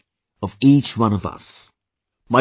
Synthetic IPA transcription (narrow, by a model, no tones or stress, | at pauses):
ʌviˑt͡ʃwʌ̃nʌvʌ̰s | maɪ